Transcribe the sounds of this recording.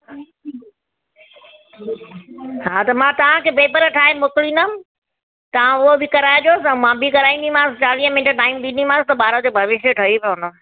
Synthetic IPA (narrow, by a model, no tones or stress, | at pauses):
ɦaːt̪ɐmãt̪ɐʋ̤ãkʰeːpeːpəɾʈʰaːɦemʊklinəm | t̪ɐʋ̤ãʊɦobɪkɐɾaːjod͡ʑoːsɪɐ̃mãbikɐɾaːĩnd̪im̤ãːsɪt͡ɕaːliːəmɪ̃nʈʈaːɪmd̪ĩːnd̪im̤ãːsɪt̪ɐɓaːɾod͡ʑoːbʱɐʋɪʃəʈʰɐɦipjoɦʊnə